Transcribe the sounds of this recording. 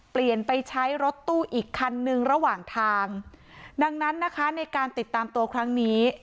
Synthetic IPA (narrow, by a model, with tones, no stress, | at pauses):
pli˨˩ənpa˧jt͡ɕʰa˦˥jɾo˦˥t̪ːuː˥˩ʔiː˨˩kʰːa˧nːɯ˧ŋɾa˧waː˨˩ŋt̪ʰaː˧ŋ | da˧ŋna˦˥nːa˦˥kʰa˦˥na˧jkaː˧nt̪i˨˩t̪ːaː˧mt̪u˧ɐkʰɾa˦˥ŋniː˦˥